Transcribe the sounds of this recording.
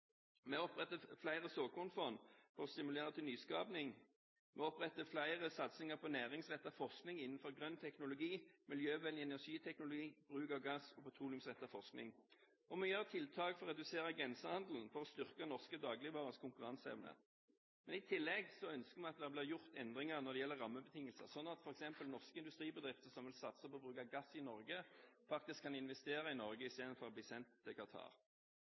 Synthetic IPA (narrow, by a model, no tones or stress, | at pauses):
mɛɔpʁɛt̪əflæɪʁəsoːkʰʊʁnfɔʁnfɔʁɔst̪ɪmʉleːʁət̪ʰɪlnyːskɑːpnɪŋ | mʔɛɔpʁɛt̪ːəflæɪʁəsɑt̪sɪŋəpʰɔnæːʁɪŋsʋɛt̪ːɑfɔʁsknɪŋɪnːn̩fɔʁɡʁœnt̪ʰɛknʊlʊɡiːmɪljøːʋɛlɪɛnæʂiːt̪ʰɛknʊlʊɡiːb̥ʁʉːkɑʋɡɑsɔpʰɑt̪ʰʁuːlɪʉmsʋɛt̪ːɑfɔʁsknɪ̰ŋ | ɔmyjɑʁət̪ʰɪlt̪ʰɑːkfɔʁɛd̪ʉseːɾəɡʁɛnsəhɑnd̪l̩n̩fɔʁɔst̪ʏʁkənɔʁskəd̪ɑːɡlɪʋɑʁəskʰʊŋkʉʁɑnsɛ̰ʋnə̰ | mɛnɪt̪ʰɪlːɛɡsɔœnskəmɛɑt̪d̪ɛhæbliːjʊʁt̪ɛnd̪ʁɪŋɑʁnɔd̪ɛjɛlːəʁɑmːəbət̪ʰɪŋəlsə̰sɔnːɑt̪fɔʁɛksɛmpəlnɔʁskəɪnd̪ʉst̪ʁiːbəd̪ʁɪft̪əsɔmʋɪlsɑt̪səpʰɔbʁʉːkɑɡɑsːɪnɔʁɡəfɑk̚t̪ɪskʰːɑnɪnʋɛst̪eːʁɑɪnɔʁɡəɪst̪eːd̪ənfɔʁɔbliːsɛnt̪əkʰɑt̪ʰɑ̰ːʁ